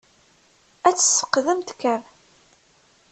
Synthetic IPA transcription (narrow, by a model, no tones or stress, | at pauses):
æt͡sːə̥sə̥qːðəmt̪kːəɾ